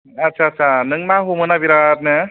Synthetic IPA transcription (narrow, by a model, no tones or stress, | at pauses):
ɐtːt͡ʃʰaːtːsʰanɯŋmaɦumɯnabiɾat̪̚nɯ